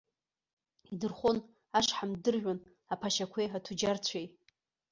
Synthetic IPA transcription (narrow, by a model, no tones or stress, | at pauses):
idɨrχʷon | aʂħamdɨrʒʷᶣan | apʰaʃakʷʰeatʰud͡ʒart͡ɕʷʰej